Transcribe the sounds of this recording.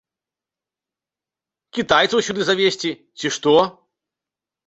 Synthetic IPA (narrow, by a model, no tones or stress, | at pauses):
kʲit̪ajt̪sɐwsʲud̪ɨzavʲesʲt͡sʲi | t͡sʲiʂt̪ɔ